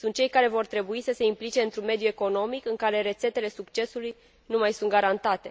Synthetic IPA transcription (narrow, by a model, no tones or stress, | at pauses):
sunt̪̚t͡ʃe̞jkaɾe̞vo̞rt̪ɾe̞buisəse̞implit͡ʃe̞ɨnt̪ɾunme̞d̪jue̞ko̞no̞mikɨŋkaɾe̞ɾe̞t̪se̞t̪e̞le̞sukt͡ʃe̞suluj | numajsunt̪̚ɡaɾant̪at̪e̞